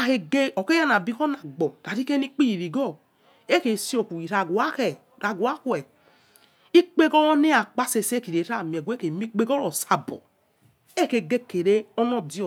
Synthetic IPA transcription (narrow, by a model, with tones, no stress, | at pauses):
a˨ke˧ɡe˦ɔ˨ke˦ja˦n˨a˨bi˦kɔ˦na˨ɡ͡bɔ˨d̥a˨ɾi˦ke˦ni˦k͡pi˦ji˨ɾi˨ɡɔ˦˨ | e˦ke˨si˦o˨ku˨i˨ɾa˨ɡu˨a˦kɛ˨ɾa˨ɡu˨a˦ku˦ɛ˨ | i˦k͡pe˦ɡɔ˦wɔ˦ne˦a˨k͡pa˦se˧se˦ki˨ɾe˨˦ɾa˦˨mi˨e˨ɡʷe˦ke˨mi˦k͡pe˦ɡɔ˦ɾɔ˨sa˨bɔ̰˨ | e˦˨ke˨ɡe˦˨ke˨ɾe˦ɔ˦nɔ˦di˦˨